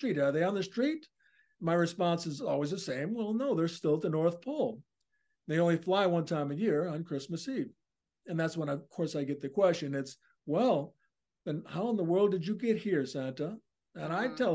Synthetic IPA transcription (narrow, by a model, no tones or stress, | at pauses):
stɹ̥iɾə˞ðeɪə̃nðɨstɹ̥it̚ | maɪɹɨspɑ̃nsɨzɔlˠwizðɨsẽɪ̃mwɛlˠnoʊðə˞stɪlˠtɨnɔɹθpʰolˠ | ðeɪõʊ̃nliflaɪwʌ̃ntʰãɪ̃mɨjɪɹə̃nkʰɹ̥ɪsmɨsiv | ɨ̃nðætswə̃nɨvkʰɔɹsaɪɡɛt̪̚ðɨkʰw̥ɛst͡ʃɨ̃nɪts | wɛlˠ | ðɨ̃nhaʊə̃nðəwɜ˞lˠdɨd͡ʒɨɡɛt̚hiɹsæ̃ntə | ɨ̃naɪtʰɛlˠ